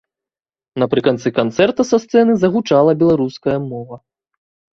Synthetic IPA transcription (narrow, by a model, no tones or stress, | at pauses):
nɐpɾɨkant̪sɨkant̪sɛrt̪ɐsast̪sɛnɨzɐɣut͡ʂalˠɐbʲɛlˠaɾuskɐjɐmɔvɐ